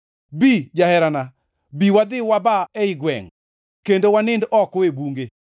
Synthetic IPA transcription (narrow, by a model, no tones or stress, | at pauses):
bid͡ʒahɛɾana | biwad̪ɪwabaɛɪɡwɛ̰ŋ | kendowanɪndɔkoebuŋɡe